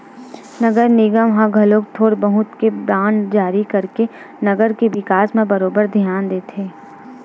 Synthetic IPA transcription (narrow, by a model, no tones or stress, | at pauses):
nɐɡəɾnɪɡəmɦãɡʱɐlõkt̪ʰoːɾbɐɦʊt̪kebɾãːnɖd͡ʒaːɾikɐɾke | nɐɡəɾkeʋɪkaːsmẽbɐɾoːbəɾd̪ʱijaːnd̪eːt̪ʰeː